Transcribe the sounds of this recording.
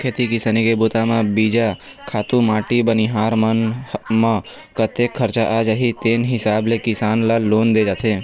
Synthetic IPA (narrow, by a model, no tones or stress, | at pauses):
kʰeːt̪ikɪsənikebʊt̪amãbiːd͡ʒa | kʰaːt̪ũmaːʈibəniɦaːɾmənmã | kət̪ekʰːəɾt͡ʃaʔaːd͡ʒəɦit̪eːnɦɪsaːblekɪsaːnlaloːnd̪ed͡ʒaːt̪ʰeː